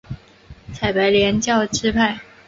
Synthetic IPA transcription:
t͡sʰa˨˩ɪpa˧˥ɪljɛ˧˥nt͡ɕjɑ˥˧ʊʈ͡ʂɻ̩˥pʰa˥˩ɪ

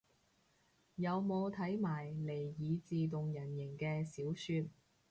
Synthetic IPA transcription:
jɐ˨˧wmo˨˧wt̪ʰɐ˨˥jmaː˨˩jle˨˩jjiː˨˧t͡siː˨t̪̬ʊ˨ŋjɐ˨˩njɪ˨˩ŋkɛː˧siː˨˥wsyː˧t̚

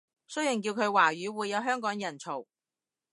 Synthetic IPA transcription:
sɵ˥ɥjɪ˨˩ŋkiː˧wkʰɵ˨˧waː˨˩ɥyː˨˥wuː˨˧jːɐ˨˧wɦœː˥ŋkɔː˨˥ŋjɐ˨˩nt͡sʰo˨˩w

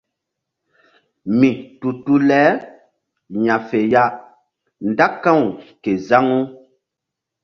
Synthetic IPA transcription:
mĩ˨tu˨tu˦lɛː˨˦ | ɲã˨fe˨ja˦ | nda˦kːã˦˨wu˨ke˨za˦ŋu˦

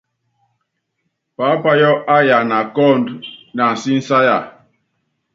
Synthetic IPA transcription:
pa˨˦pa˦jɔ˦ʔa˦ja˨na˨kɔ˦˨ndna˨n̩˨si˦n̩˦sa˦ja˨

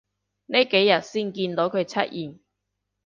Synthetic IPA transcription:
ne˥˩jke˨˥jːɐ˨t̚siː˥˩nkiː˧nt̪o˨˥wkʰɵ˨˧ɥt͡sʰɐ˥t̚jiː˨˩m

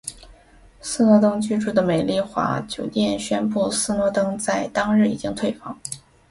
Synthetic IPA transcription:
sɹ̩˥˧nwɔ˧˥t̪ɤ˥ŋt͡ɕy˥ʈ͡ʂu˥˩d̪ə˩me˨˩ɪli˥˩xwa̰˧˥t͡ɕjo˨˩ʊt̪jɛ˥˩nɕɥɛ˥npu˥˧sɹ̩˥˧nwɔ˧˥t̪ɤ˥ŋt͡sa˥˩ɪt̪ɑ˥ŋɻɻ̩˥˩ḭ˨˩t͡ɕi˥ŋt̪ʰwe˥˧ɪfɑ̰˥˩˦ŋ

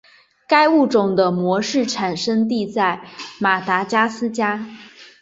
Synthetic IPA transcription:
ka˥ɪu˥˩ʈ͡ʂʊ˨˩ŋd̪ə˦mwɔ˧˥ʂɻ̩˥˩ʈ͡ʂʰa˨˩nʂə˥ŋt̪̬i˥˧t͡sa˥˩ɪma˨˩t̪a˧˥t͡ɕja˥sɹ̩˥t͡ɕja˥

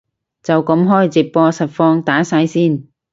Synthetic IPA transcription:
t͡sɐ˨wkɐ˨˥mɦɔː˥˩jt͡sɪ˨k̚pɔː˧sɐ˨t̚fɔː˧ŋt̪aː˨˥saː˧jsiː˥˩n

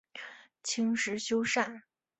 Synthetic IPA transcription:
t͡ɕʰi˥ŋʂɻ̩˧˥ɕjo˥ʊʂa˥˩n

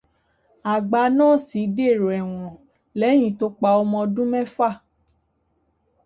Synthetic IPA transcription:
a˨ɡ͡ba˨˧˦nãː˦˨si˨˦de˦˨ɾo˨ɛ˨w̃ɔ̃˨ | lɛ˨˦j̃ĩ˧˨to˧˦k͡pa˧ɔ˧mɔ̃˧dũ˦mɛ̃˦fa˦˨

